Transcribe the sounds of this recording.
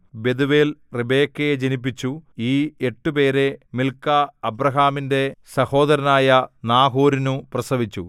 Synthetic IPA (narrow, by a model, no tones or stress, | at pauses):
be̞d̪uʋeːlribe̞ːkːejed͡ʑenip̬ːit͡ɕːuiːeʈːupe̞ːɾemilkːɐːbrɐɦaːminde̞sɐho̞ːd̪ɐɾɐnaːjɐnaːɦoːɾinuprɐsɐʋit͡ɕːṵ